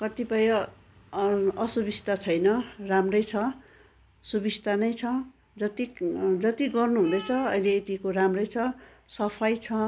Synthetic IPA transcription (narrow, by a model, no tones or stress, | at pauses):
kʌt̪ipʌjʌ | ʌsubist̪at͡sʰʌjnʌramrʌjt͡sʰʌ | subist̪anʌjt͡sʰʌ | d͡zʌt̪id͡zʌt̪iɡʌrnuɦud̪ʌt͡sʰʌːjleːt̪ikoramrʌjt͡sʰʌ | sʌpʰajt͡sʰʌ